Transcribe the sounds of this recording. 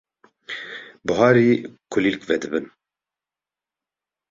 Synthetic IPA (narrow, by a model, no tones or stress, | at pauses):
bɨɦɑːɾiːkʰʊlilkvɛd̪ɨbɨn